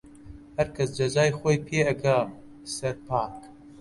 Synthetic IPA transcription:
hɐɾkʰɐsd͡ʒɐzaːjxoːjpʰeːɐɡaːm | sɐɾpʰaːk

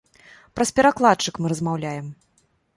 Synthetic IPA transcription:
pɾɐspʲɛɾaklˠat̪t͡ʂɨkmɨɾɐzmawlʲajɛm

